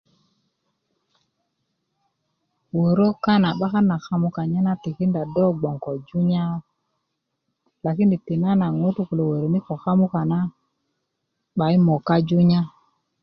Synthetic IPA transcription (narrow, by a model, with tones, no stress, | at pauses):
wo˨ɾo˦ka˦na˨ɓa˦ka˦na˨xa˦mu˦ka˨ɲa˦na˦ti˨ki˦nda˨do˦ɡ͡bo˨ŋko˨d͡ʒu˦ɲa˦ | la˨ki˦ndi˨ti˨na˦na˨ŋo˦tu˦ku˨lo˨wo˨ɾo˨ni˦ko˨xa˦mu˦ka˨na˦ | ɓa˨i˦mo˨ka˦d͡ʒu˦ɲa˦